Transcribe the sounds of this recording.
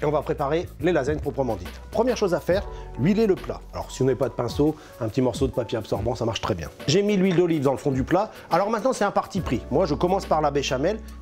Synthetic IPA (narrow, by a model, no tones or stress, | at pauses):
eɔ̃vapχepaʁelelazɛnpχɔpχəmɑ̃d̪it̪pχəmjɛʁʃozafɛːʁɥileləpla̰alɔ̰ʁsiɔ̃nɛpad̪əpɛ̃so | ɛ̃pət̪imɔʁsod̪əpapʲjeabsɔʁbɑ̃samaʁʃt̪χɛbjɛ̰̃ʒemilɥild̪ɔlivd̪ɑ̃ləfɔ̃d̪ypla | alɔʁmɛ̃t̪nɑ̃sɛt̪ɛ̃paʁt̪ipχimwaʒəkɔmɑ̃spaʁlabeʃamɛl